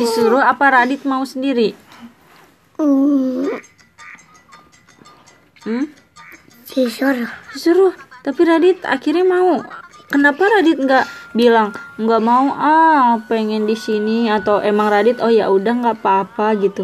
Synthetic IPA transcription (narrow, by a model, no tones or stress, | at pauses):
disuɾʊapaɾadɪt̪̚mausəndiɾi | m̩ | isuɾdisuɾʊht̪apiɾadɪt̪a̰kiɾɲamaukənapaɾadɪt̪̚ŋɡaʔbilaŋŋɡaʔmauʔapeŋɛndisiniat̪awʔemaŋradɪt̪ɔhja̰ʔudaŋɡapaːpaɡit̪u